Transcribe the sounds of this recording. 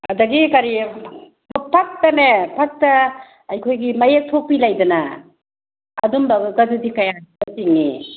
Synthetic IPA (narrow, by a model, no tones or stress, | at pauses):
ɐ̰dɐɡikaɾi | bɔpʰak̚tɐmepʰak̚tɐː | jkʰojɡimajek̚tʰok̚pilajdɐna | dumbɐɡɐdudikajaatiŋːi